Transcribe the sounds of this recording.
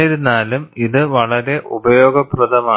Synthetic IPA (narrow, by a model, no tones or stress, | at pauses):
jiɾunːaːlumiðɨʋɐɭɐɾe̞ʔubɐjo̞ːɡɐprɐd̪ɐmaː